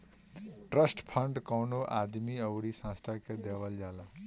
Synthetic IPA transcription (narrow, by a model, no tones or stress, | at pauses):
ʈrʌsʈpʰʌɳɖkawnoʔad̪miʌwɽisãst̪ʰaked̪ewʌljala